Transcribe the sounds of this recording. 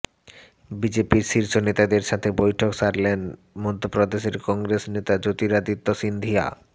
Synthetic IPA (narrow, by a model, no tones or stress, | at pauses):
bid͡ʑepiɾʃiɾʃonet̪ad̪eɾʃat̪ʰebojʈʰokʃaɾlen | mod̪ʱːopɾod̪eʃeɾkɔŋɡɾesnet̪ad͡ʑot̪iɾad̪it̪ːoʃind̪ʱia̰